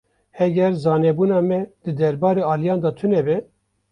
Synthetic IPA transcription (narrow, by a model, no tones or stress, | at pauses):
hɛɡʲɛɾzɑːnɛbuːnɑːmɛd̪̥ɨd̪ɛɾbɑːɾeːɑːlijɑːnd̪ɑt̪ʰʊnɛbɛ